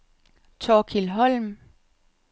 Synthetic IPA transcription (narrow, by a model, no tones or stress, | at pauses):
t͡sʰɒːkʰilɦɒ̽lm